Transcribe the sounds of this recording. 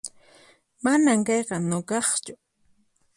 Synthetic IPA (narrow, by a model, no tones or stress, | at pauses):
manamkɑjqɑnokɑχt͡ʃʊ